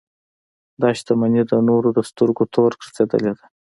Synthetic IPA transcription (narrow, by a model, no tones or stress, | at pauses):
d̪ɑʃt̪amanid̪ənoɾod̪əst̪uɾɡot̪ʰoɾkɾḁsed̪ə̰led̪a